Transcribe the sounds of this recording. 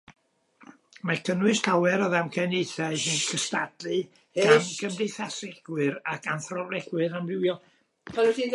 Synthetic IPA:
makʰənwɨstʰawɛɾɔðamkʰɛnejθajsɨnkʰəstadlɨ | amɡəndejθasɛɡ̥wɨɾakʰanθrɔvlɛɡ̥wɨɾambɪwjɔ | vɛldi

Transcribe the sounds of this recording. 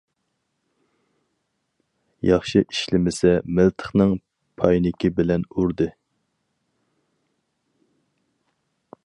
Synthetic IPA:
jɑχʃiʔiʃlɪmɪsɛmɪlt̪ʰə̥χnɨŋ | pʰɑjnɪkʲibɪlɛnuɾd̪ɨ

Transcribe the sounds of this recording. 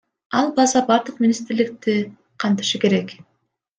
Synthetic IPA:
ɑlˠbɑzɑbɑɾd̪ɯq̚mʲinʲist̪ɾlik̚t̪i | qʰɑnt̪ɯ̥ʃɯke̞ɾe̞k

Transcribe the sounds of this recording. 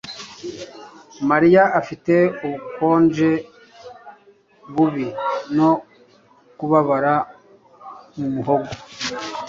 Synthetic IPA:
maɾijaʔafite̞uβuko̞ːnd͡ʒe̞ | βuβino̞ | kuβaβaɾa | mumuɦo̞ɡo

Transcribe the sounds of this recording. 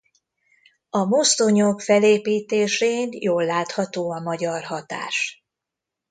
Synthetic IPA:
ɒmost̪oɲokfɛleːpiːt̪eːʃeːnjoːlːaːt̪hɒt̪oːɒmɒɟɒrɦɒt̪a̰ːʃ

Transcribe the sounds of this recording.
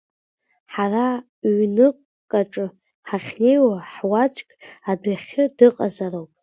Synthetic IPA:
ħara | ɥnɨqʼ | kʼaʈ͡ʂʼɨ | ħaχʲne̞jwaħwat͡ʃʷʼkʲadʷaχʲɨdɨqʼazarowpʼ

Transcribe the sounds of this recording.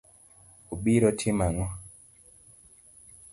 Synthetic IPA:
uɓiɾɔtʰimaŋɔ

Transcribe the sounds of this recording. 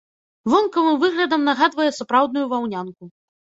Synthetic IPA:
vɔnkɐvɨmvɨɣlʲɐd̪ɐmnaɣad̪vɐjɛsapɾawd̪̚nujuvawnʲanku

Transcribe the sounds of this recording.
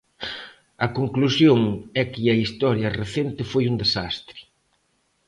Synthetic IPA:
ɐkoŋklusjoŋɛkɪɐist̪ɔɾjɐreθent̪ɪfojund̪esast̪ɾɪ̥

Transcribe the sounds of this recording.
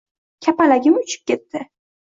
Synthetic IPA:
kʲʰapalaɡʲɪmʊt͡ʃʰɪ̥p̚kʲʰe̞t̪ːɪ

